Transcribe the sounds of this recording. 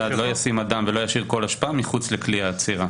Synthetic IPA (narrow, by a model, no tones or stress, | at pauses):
ad̪lo̞jasimad̪amvelo̞jaʃiʁko̞laʃpaamiχut͡slekliaːt͡siʁa